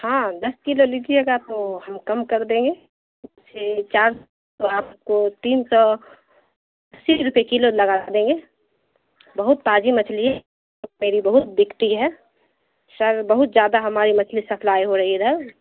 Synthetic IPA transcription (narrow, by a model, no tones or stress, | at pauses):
hãːd̪ɐskiloliːd͡ʒieɡaːp̚tohəmkəmkəɾd̪ẽːŋɡe | set͡ʃaːɾ | oaːpkot̪iːnsɔ | sːiɾʊpekiloləɡad̪ẽːŋɡeː | bəɦʊt̪̚paːd͡ʒimət͡ʃʰliɦɛ | meːɾibəɦʊt̪̚b̪ɪkt̪iɦɛ | səɾbəɦʊt̪̚zjaːd̪aɦɐmaːɾimɐt͡ʃʰlisɐpʰlaːiɦoɾɐɦiɛd̪ɐɾ